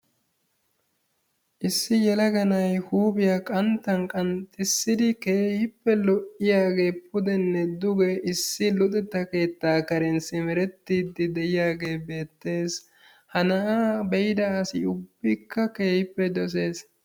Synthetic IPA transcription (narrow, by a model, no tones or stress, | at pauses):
ʔɪsːɪjɛlɐɡɐnɐjhuːbɪjakʼɐnt̪ːɐnkʼɐnt̪ʼːɪsːɪd̪ɪke̞ːhɪpːɛlɔʔɪjaːɡe̞ːpʰʊd̪ɛnːɛd̪ʊɡɛɪsːɪlʊt̪ʼɛt̪ːɐke̞ːt̪ːaːkɐɾɛnsɪmɛɾɛt̪ːiːd̪ːɪd̪ɛjɪjaːɡe̞ːbe̞ːt̪ːe̞ːs | hɐnɐʔabɛjd̪ɐːsɪ̰ʊbːɪkːɐke̞ːhɪpːɛd̪ɔs̬e̞ːs